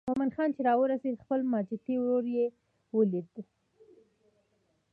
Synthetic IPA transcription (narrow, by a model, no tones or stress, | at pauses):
momanxɑnt͡ʃeɾɑwəɾased̪xpəlmɑd͡ʒɪt̪iwɾoɾje | wəliɾd̪i